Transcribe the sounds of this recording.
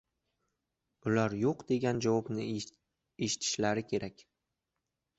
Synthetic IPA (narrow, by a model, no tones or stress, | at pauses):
ʊlaɾjoqd̪e̞ɡʲand͡ʒavɒpnɪ | eʃɪ̥t̪ʰɪ̥ʃlaɾɪkʲʰe̞ɾakʲ